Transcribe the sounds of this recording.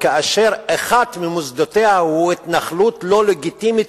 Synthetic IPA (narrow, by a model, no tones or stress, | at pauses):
kaʔaʃe̞ʁeχad̪mimusd̪ot̪e̞hahuit̪naχlut̪lo̞leɡit̪imit̪